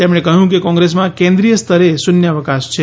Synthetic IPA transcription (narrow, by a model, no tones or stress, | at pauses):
t̪emɽ̃ekəɦjũkekɔ̃ŋɡɾes̬mãkẽnd̪ɾijəst̪ʰəɾesʊnjəʋəkaʃt͡ʃʰe